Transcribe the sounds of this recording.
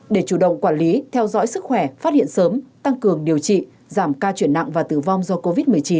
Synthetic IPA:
ɗe˧˩t͡ɕu˧˩ɗə̰˧˨wŋ͡mkwaː˧˩nli˨˦t̪ʰɛ˧wzɔ̰ː˧˥jsɨ˦˥k̚xwɛ˧˩faː˦˥t̚hḭ˧˨ənsəː˨˦mt̪a˧ŋkɨ˨˩əŋɗi˨˩əwt͡ɕḭ˧˨ | zaː˧˩mkaː˧t͡ɕwi˧˩ənːa̰˧˨ŋvaː˨˩t̪ɨ˧˩va˧wŋ͡mzɔ˧ko˧vi˦˥t̚mɨ˨˩əjt͡ɕi˨˦n

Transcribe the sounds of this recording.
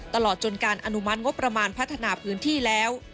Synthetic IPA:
t̪a˧lɔː˨˩t̪̚t͡ɕo˧nkaː˧nʔa˧nu˦˥ma˦˥t̪̚ŋo˦˥pːɾa˧maː˧npʰa˦˥t̪ʰːa˧naː˧pʰɯː˦˥nt̪ʰiː˥˩lɛː˦˥w

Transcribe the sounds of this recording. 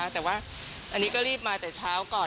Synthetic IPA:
t̪ɛː˨˩waː˥˩ | ʔa˧nːiː˦˥kɔː˥˩ɾiː˥˩p̚maː˧t̪ɛː˨˩t͡ɕʰaː˦˥wkɔː˨˩

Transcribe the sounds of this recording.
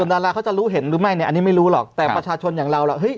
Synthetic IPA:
əndaː˧laː˧˥kʰa˦˥wt͡ɕa˨˩ɾuː˦˥ɦe˩˦nɾɯː˩˦ma˥˩jni˩ʔnːiː˦˥ma˥˩jɾuː˦˥lɔ̰ː˨˩k̚t̪ɛː˨˩pɾa˧t͡ɕʰaː˧t͡ɕʰo˧njaː˨˩ŋɾa˧wla̰˨˩ɦɤ˦˥˩j

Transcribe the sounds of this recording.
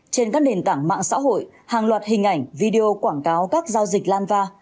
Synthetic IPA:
t͡ɕe˧nkaː˦˥k̚ɗe˨˩nt̪a̰ː˧˩ŋma̰ː˧˨ŋsa̰ː˧˥ɦo̰˧˨j | haː˨˩ŋlwaː˨˩t̚hï˨˩ŋ̟ʔa˧˩jŋ̟vi˧ɗe˧ʔo˧kwaː˧˩ŋkaː˨˦wkaː˦˥k̚zaː˧wzï˨˩k̟̚laː˧nvaː˧

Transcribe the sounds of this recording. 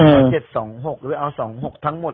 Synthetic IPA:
a˨˧˩t͡ɕe˨˩t̪̚sɔː˩˦ŋɦo˨˩k̚lɯ˦˥˩ʔa˧wsɔː˩˦ŋɦo˨˩k̚t̪ʰa˦˥ŋmo˨˩t

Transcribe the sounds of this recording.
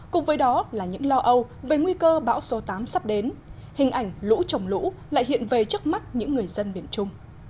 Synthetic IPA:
kʊ̰˨ŋ͡mvəː˨˦jɗɔ˨˦laː˨˩ɲɨ̰˧˥ŋlɔ˧ʔə˧wve˨˩ŋwi˧kəː˧ɓa̰ː˧˥wso˨˦t̪aː˨˦msa˦˥p̚ɗe˨˦n | hï˨˩ŋ̟ʔa˨˩jŋ̟lṵ˧˥t͡ɕə˨˩wŋ͡mlṵ˧˥ | la̰ː˧˨jɦḭ˧˨ənve˨˩t͡ɕɨ˦˥ək̚ma˦˥t̚ɲɨ̰˧˥ŋːɨ˨˩əjzə˧nɓḭ˧˩ənt͡ɕʊ˧ŋ͡m

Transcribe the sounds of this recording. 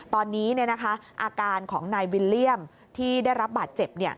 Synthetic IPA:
t̪ɔː˧nːiː˦˥ni˥˩na˦˥kʰa˦˥ʔaː˧kaː˧nkʰɔː˩˦ŋnaː˧jwi˧lːi˥˩əm | t̪ʰiː˥˩daː˥˩jɾa˦˥p̚baː˨˩t̪̚t͡ɕe˨˩p̚ni˥˩ɐ

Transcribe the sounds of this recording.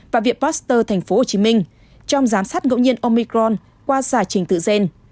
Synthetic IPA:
vaː˨˩vḭ˨˩ət̚paː˦˥st̪əː˧t̪ʰa˨˩jŋ̟fo˨˦ho˨˩t͡ɕi˨˦mï˧ŋ̟ | t͡ɕɔ˧wŋ͡mzaː˨˦msaː˦˥t̚ŋə̰˧˨wɲi˧ənʔo˧mi˧kɾɔ˧n | kwaː˧zaː˧˩t͡ɕï˨˩ŋ̟t̪ɨ̰˧˨ze˧n

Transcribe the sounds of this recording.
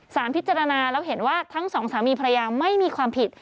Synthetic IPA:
saː˩˦npʰi˦˥t̪̚t͡ɕa˧ɾa˧naː˧lɛː˦˥wɦe˩˦nwaː˥˩t̪ʰa˦˥ŋsɔː˩˦ŋsaː˩˦miː˧pʰa˧a˧jaː˧ma˥˩jmiː˧kʰwaː˧mpʰi˨˩t̪̚

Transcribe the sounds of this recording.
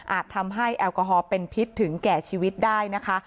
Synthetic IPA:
ʔaː˨˩t̪ʰːa˧mɦa˥˩jʔɛː˧wkɔː˧ɦɔː˧pe˧npʰi˦˥t̪ʰːɯ˩˦ŋkɛː˨˩t͡ɕʰiː˧wi˦˥t̪̚daː˥˩jna˦˥kʰa˦˥

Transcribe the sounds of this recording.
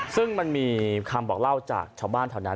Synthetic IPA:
sɯ˥˩ŋma˧nmiː˧kʰa˧mbɔː˨˩k̚la˥˩wt͡ɕa̰ː˨˩k̚t͡ɕʰaː˧˩wbaː˥˩nt̪ʰa˧˩wna˦˥

